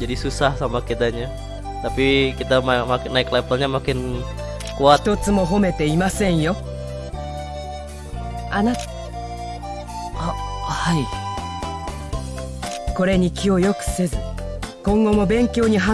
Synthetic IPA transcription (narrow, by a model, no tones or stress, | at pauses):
d͡ʒadisusahsamakit̪aɲa | t̪apikit̪amamakɪnaɪklapalɲamakɪn | kuat̪o̞t͡sɨmo̞ɦo̞me̞t̪e̞imasẽ̞ɰ̃jo̞ | ana | hai | ko̞ɾe̞ɲ̟ikʲio̞jo̞kɯ̟̥se̞zɨ | kõ̞ŋɡo̞mo̞bẽ̞ŋkʲjo̞ːɲ̟iɦa